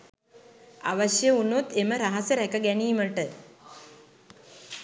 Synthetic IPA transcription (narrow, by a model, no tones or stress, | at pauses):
a̰ʋəʃjəunot̪eməɾaɦasəɾɛkəɡɛniːməʈə